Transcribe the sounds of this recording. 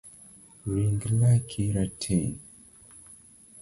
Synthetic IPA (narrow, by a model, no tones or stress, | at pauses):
ɾiŋɡlakʰiɾatʰɛn